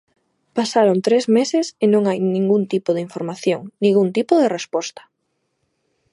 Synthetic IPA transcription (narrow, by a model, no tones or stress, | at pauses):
pasaɾont̪ɾezmesɪsɪnõŋajnĩŋɡunt̪ipoðɪiɱfoɾmaθjoŋnĩŋɡunt̪ipʊðerespɔst̪ɐ̥